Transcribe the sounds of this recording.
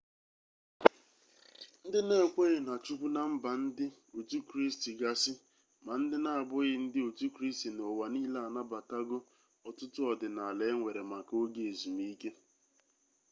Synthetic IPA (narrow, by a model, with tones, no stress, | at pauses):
n̩˦dɪ˦ne˦˨kʷe˦ɣɪ˨na˨t͡ʃu˦kʷu˦na˨m̩˦ba˨n̩˦dɪ˦ | o˨tu˦kɾi˦sti˨ɡa˦sɪ˦ | ma˨n̩˦dɪ˦na˦a˨bʊ˦ɣɪ˦n̩˦dɪ˦o˨tu˦kɾi˦sti˨no˨wa˨niː˦la˦a˨na˦ba˨ta˦ɡʊ˦ | ɔ˨tʊ˦tʊ˦ɔ˨dɪ˨na˨le˨˦ŋʷe˨ɾe˨ma˨ko˦ɡe˨e˨zu˨mi˦ke˦